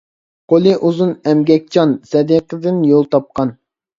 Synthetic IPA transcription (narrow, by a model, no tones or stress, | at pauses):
qʰolˠɨʔuzunɛmɡʲɛk̚ʲt͡ʃʰɑnsɛd̪iqəd̪ɪnjolˠt̪ʰɑp̚qɑn